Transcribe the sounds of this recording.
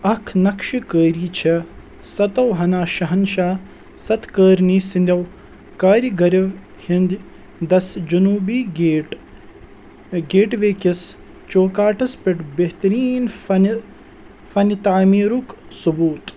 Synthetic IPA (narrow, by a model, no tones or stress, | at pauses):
ɐkʰnɐkʃikəːɾiːt͡ʃʰɐ | sɐt̪ɐwɦɐnaːʃɐɦɐnʃaː | sɐt̪kəːɾniːsind̪ʲɐw | kaːɾiɡɐɾɐʋ | hind̪ | d̪ɐsd͡ʒunuːbiːɡʈ | ɡeːʈʋeːkis | t͡ʃoːkaːʈʰɐspɪʈbeɦt̪ɐɾiːnn | fɐnit̪aːmiːɾuksubuːt̪